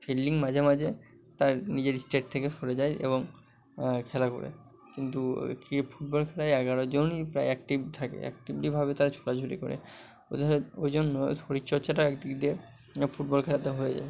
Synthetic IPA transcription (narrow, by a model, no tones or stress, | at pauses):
felːiŋmad͡ʑʱemad͡ʑʱe | t̪aɾnid͡ʑeɾisʈeʈ̚t̪ʰekefoɾed͡ʑajʔḛboŋ | kʰɛlako̰ɾḛ | kint̪ukifuʈ̚bɔlkʰɛɾaeɛɡaɾod͡ʑonipɾajɛk̚ʈibt̪ʰakḛɛ̰k̚ʈibʈibʱabet̪aɾt͡ɕʰo̥lad͡ʑʱoɾḭko̰ɾḛ | o̰d̪ʱojd͡ʑonːo̰soɾitːt͡ɕɔɾt͡ɕaʈaɛkd̪ikd̪e | fuʈ̚bɔlkʰɛɾat̪eɦoed͡ʑa̰e